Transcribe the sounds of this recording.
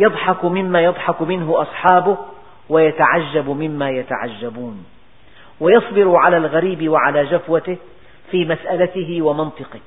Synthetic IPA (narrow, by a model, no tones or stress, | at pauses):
jɑd̪ˤħɑkmɪmːaːjɑd̪ˤħɑkmɪnɦʊʔɑsˤħɑːbʊh | wajat̪aʕaʒːabmɪmːaːjat̪a̰ʕa̰d͡ʒːabuːn | wajɑsˤbɪɾʊʕalaːlɣaɾiːbɪwaʕalaːd͡ʒafwat̪ɪh | fiːmasʔalat̪ɪɦɪwamɑnt̪ˤɨqɪh